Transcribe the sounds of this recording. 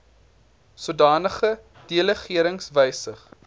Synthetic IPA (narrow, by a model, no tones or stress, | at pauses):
suədɑːnəχə | d̥iələχiəɾəŋsvəjsəχ